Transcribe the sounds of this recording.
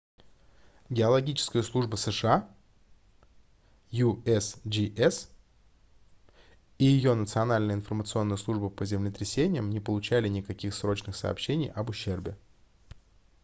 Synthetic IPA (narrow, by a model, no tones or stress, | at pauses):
ɡʲɪɐlˠɐɡʲit͡ɕɪ̥skəjəslˠuʐbəsəʂɨa | juɛsd͡ʒiʔɛs | ijɪjo̞nət̪sɨɐnalʲnəjəɪnfərmət̪sɨo̞nːəjəslˠuʐbəpəzʲɪmlʲɪt̪ɾʲɪsʲenʲɪjəmnʲɪpəlˠʊt͡ɕælʲɪnʲɪkɐkʲixsɾo̞t͡ɕnɨxsə̰pɕːenʲɪjʔɐbʊɕːe̞rbʲɪ